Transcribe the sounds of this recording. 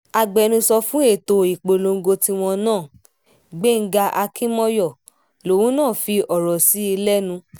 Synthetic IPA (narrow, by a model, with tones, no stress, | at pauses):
a˨ɡ͡bɛ˨˧nũ˧sɔ˧fũ˦e˦˨to˨i˨k͡po˨lo˧ŋ̩˦ɡo˧ti˧w̃ɔ̃˧nãː˦˨ | ɡ͡be˦ŋ̩˦ɡa˧ʔa˧kĩ˦mɔ˦jɔ˦˨ | lo˨wũ˦nãː˦˨fi˧ɔ˨ɾɔ˨si˨˦i˧lɛ˦nũ˧